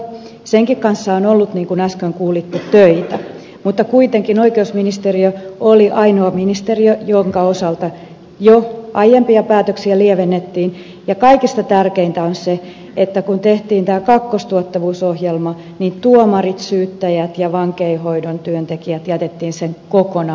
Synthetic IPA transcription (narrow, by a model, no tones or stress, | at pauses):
seŋkikkɑnsːɑonolːut̪niːŋkunæskøŋkuːlit̪ːet̪øit̪æ | mut̪ːɑkuit̪eŋkinoikeusminist̪eriøoliʔɑinoɑminist̪eriøjoŋkɑosɑlt̪ɑ | joʔɑjempiɑpæːt̪øksiælieʋenːet̪ːiːn | jɑkɑikist̪ɑt̪ærkeint̪æonse | et̪ːækunt̪eht̪iːnt̪æːkɑkːost̪uot̪ːɑʋuːsohjelmɑ | nint̪uomɑrit̪syːt̪ːæjæt̪jɑʋɑŋkeihoidont̪yønt̪ekiæt̪jæt̪et̪ːiːnseŋkokonɑ